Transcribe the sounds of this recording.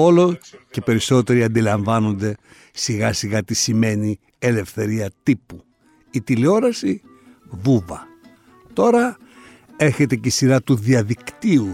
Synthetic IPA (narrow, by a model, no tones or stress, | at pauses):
o̞loce̞pe̞ɾiso̞t̪e̞ɾiɐnd̪ilɐɱvɐno̞nd̪e̞ | siɣɐsiɣɐt̪isime̞ni | e̞le̞fθe̞ɾiɐt̪ipu | it̪ileo̞ɾɐsi | vuvɐ | t̪o̞ɾɐ | e̞ɾçe̞t̪e̞ceisiɾɐt̪uðiɐðikt̪iu